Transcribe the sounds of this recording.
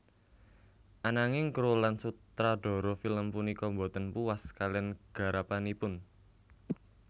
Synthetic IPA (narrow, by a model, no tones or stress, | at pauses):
ʔanaŋɪŋkɾolansutt̪ɾaɖ̥ɔ̤ɾɔfiləmpunikɔmbot̪ənpuwaskalɛnɡ̥a̤ɾapanipʊn